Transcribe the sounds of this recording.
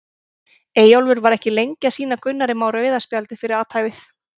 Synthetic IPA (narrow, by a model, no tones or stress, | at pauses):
eːjawlvʏɾvaɾɛhcɪlejɲcasiːnakʰʏnːaɾɪmawɾœːɥðaspjalt̪ɪfɪɾɪɾaːwt̪ʰhajvɪθ